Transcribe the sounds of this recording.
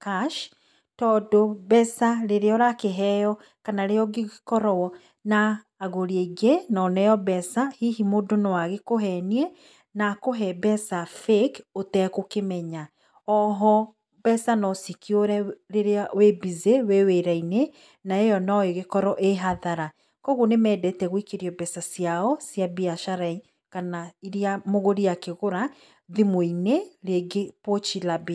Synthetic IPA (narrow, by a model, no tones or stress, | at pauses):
kaʃ | tɔdobɛsaɾeɾeɔɾakeɦɛjɔ | kanaɾejɔɣeɣkɔɾɔwɔ | naː | ɣoɾieɡenɔnɛjɔbɛsahihimodonɔwaɣekoɦɛniɛ | nakoɦɛbɛsafekotɛkokemɛɲa | ɔɦɔ | bɛsanɔsikioɾɛɾeɾeawebizeweweɾaine | naejɔnɔeɣekɔɾɔʔeɦaðaɾa | kɔɣonemɛːdɛtɛɣwikeɾiɔbɛsasiaɔsjabiaʃaɾai | kanaiɾiamoɣoɾiakeɣoɾa | ðimoineɾeɡepot͡ʃilabi